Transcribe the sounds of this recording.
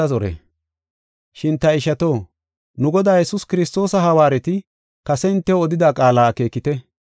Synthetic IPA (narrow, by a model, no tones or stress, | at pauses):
ɐzɔɾɛ̰ | ʃɪnt̪ːɐɪʃɐt̪o̞ː | nʊɡɔd̪aːjɛsʊskɪɾɪst̪o̞ːsɐɦɐwaːɾɛt̪ɪ | kɐsɛɪnt̪ːɛwɔd̪ɪd̪aːkʼaːlaːke̞ːkːɪt̪ɛ